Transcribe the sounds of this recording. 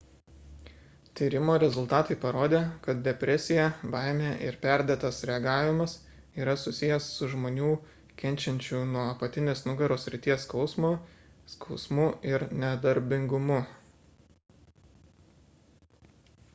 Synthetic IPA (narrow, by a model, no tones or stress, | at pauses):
t̪ʲiːɾʲɪmoːɾʲɛzʊlˠt̪ɑːt̪ɐɪpɐɾoːd̪ʲeːkɐt̪̚d̪ʲɛpʲɾʲɛsʲɪjɛbɑˑɪmʲeʔɪ̰ɾpʲæɾʲd̪ʲeːt̪ɐsɾʲɛɐɡɑːʋʲɪmɐs | iːɾɐsʊsʲɪjɛsːʊʒmoːnʲuː | kʲɛnʲt͡ʃʲɛnʲt͡ʃʲunuɔɐpɐt̪ʲɪnʲeːsnʊɡɐɾoːsʲɾʲɪt̪ʲiɛskɒʊsmoːskʰɒʊsmʊɪɾnʲɛd̪ɐɾʲbʲɪŋɡʊmʊ